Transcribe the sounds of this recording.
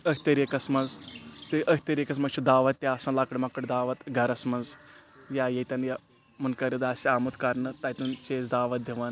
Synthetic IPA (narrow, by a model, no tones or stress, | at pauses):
ɐkʰʲt̪ɐɾekɐsmɐnzt̪ɨʔɐkʰʲt̪ɐɾekɐs̬mɐst͡ʃʰid̪aːʋɐt̪̚ʲt̪ʲːjaːsɐnlakɐɽʲmɐkɐɽʲd̪aːʋɐt̪ɡʱɐɾɐsmɐnzjaːjɐt̪ɐnja | mɐnkɐɾid̪aːsiaːmut̪kɐɾnɨt̪ɐjʲt̪unt͡ʃeːzd̪aːʋɐt̪̚d̪ʱʲiʋɐn